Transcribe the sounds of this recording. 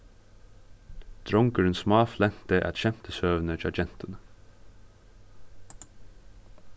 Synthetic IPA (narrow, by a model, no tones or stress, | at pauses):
d̪̥ɾɔŋkəɹənsmɑːflɛn̥t̪əʔæ̰t̪ʃɛm̥p̪əsøːʋn̩əd͡ʒɑd͡ʒɛn̥t̪ən